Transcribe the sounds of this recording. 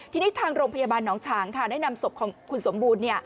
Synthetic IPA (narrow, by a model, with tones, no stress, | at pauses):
t̪ʰiː˧niː˦˥t̪ʰaː˧ŋɾoː˧ŋpʰa˧jaː˧baː˧nːɔː˩˦ŋt͡ɕʰaː˩˦ŋkʰa˥˩da˦˥˩jna˧mso˨˩p̚kʰkʰu˧nso˩˦mbuː˧nːi˥˩ɐ